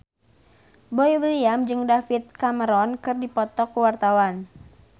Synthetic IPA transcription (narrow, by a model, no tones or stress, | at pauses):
bɔjlijamd͡ʒɨŋdafit̪̚kaməɾɔnkɨrdipɔt̪ɔkːuwart̪awan